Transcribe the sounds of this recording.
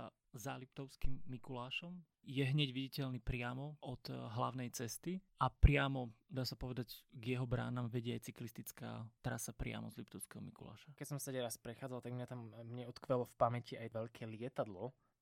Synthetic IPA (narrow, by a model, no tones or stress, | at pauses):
zalip̚t̪ɔʊskimːikulaːʃɔm | jɛɦɲɛɟʋiɟicɛʎnipɾɪamɔʔɔd̪̥ɦlaʊnɛjt͡sɛst̪iapɾɪamɔd̪aːsapɔʋɛd̪aɟɡjɛɦɔbɾa̰ːnamʋɛɟɪɛajt͡siklist̪it͡ska̰ːt̪ɾasapɾɪa̰mɔ̰zlip̚t̪ɔʊskɛɦɔmḭkula̰ːʃakɛcsɔmst̪ɛɟɛɾaspɾɛxaːd͡zalt̪aɡmɲat̪amːɲɛɔt̪kʋɛlɔfpamɛciajʋɛʎkʰɛːlɪɛt̪ad̪lɔ